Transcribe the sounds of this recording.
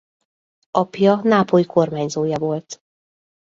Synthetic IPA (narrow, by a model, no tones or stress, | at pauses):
ɒpjɒnaːpojikʰo̞rmaːɲzoːjɒvo̞lt̪